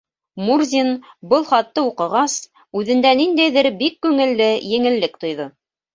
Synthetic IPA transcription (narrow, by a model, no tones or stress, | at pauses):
murzʲinbɤlˠχɑt̪ːɤuqɤ̆ʁɑs | ʉðɘ̆nd̪ænind̪æjðɘɾbikːʉŋɘ̆lːɘjɘ̆ŋɘ̆lːɘkt̪ŏjðo